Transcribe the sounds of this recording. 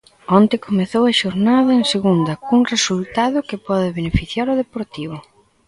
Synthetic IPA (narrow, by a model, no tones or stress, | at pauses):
ɔnt̪ɪkomeθowɐʃoɾnaðɐeŋseɣund̪ɐkuŋresult̪aðʊkɪpɔðɪβenefiθjaɾʊðepoɾt̪iβʊ